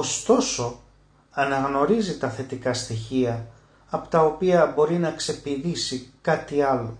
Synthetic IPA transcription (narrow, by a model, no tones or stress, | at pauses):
o̞st̪o̞so̞ | ɐnɐɣno̞ɾizit̪ɐθe̞t̪ikɐst̪içiɐ | ɐpo̥t̪ɐo̞piɐbo̞ɾinɐkse̞piðisikɐt̪iɐlo̞